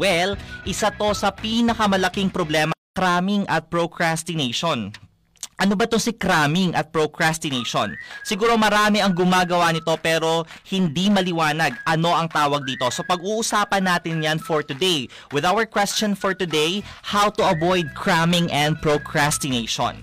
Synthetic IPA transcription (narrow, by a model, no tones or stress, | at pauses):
wɛlʔɪsat̪o̞sɐpiːnɐkɐmɐlɐkiŋpɾoblɛːmɐkɾamɪŋʔɐt̪̚pɹokɹast̪ɪneʃon | ʔɐnobɐt̪osɪkɾamɪŋɐt̪̚pɹokɹast̪ɪnejʃo̰nsɪɡuːɾo̞mɐɾaːmɛʔɐŋɡʊmaːɡɐwanɪt̪o̞pɛːɾo̞hɪnd̪imɐlɪwaːnɐɡɐno̞ʔɐŋt̪aːwɐɡ̚d̪iːt̪o̞sopɐɡuːʔʊsaːpɐnːaːt̪ɪnjanfoɹt̪ʊd̪ej | wɪðawɐɹkwɛst͡ʃɐnfoɹt̪ʊd̪ejhawt̪uʔɐvojd̪̚kʰɹamɪŋʔɛ̃nd̪̚pɹokɹast̪ɪnejʃo̰n